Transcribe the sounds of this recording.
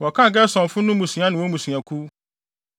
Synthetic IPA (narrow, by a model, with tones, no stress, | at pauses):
wɔ˨kã˦˨ɡɛ˦sɔ̃˨fʊ̃˦nʊ̃˦mũ˨sĩ˨ã˦nɪ̃˨wo˦mũ˨sĩ˨ã˨kʰu˦